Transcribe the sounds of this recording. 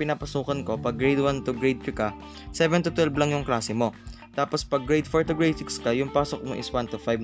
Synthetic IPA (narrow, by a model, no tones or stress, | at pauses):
pɪnaːpɐsuːkɐnko̞pɐɡɹejd̪want̪ʊɡɹejd̪̚ɪkɐ | sɛvɛnt̪ʊt̪wɛlblɐŋjʊŋklaːsɛmo̞ | t̪aːpo̞spɐɡɹɛjd̪foɹt̪oɡɹasɪkskɐjʊŋpaːsok̚mo̰ʔɪ̰swant̪ʊfajb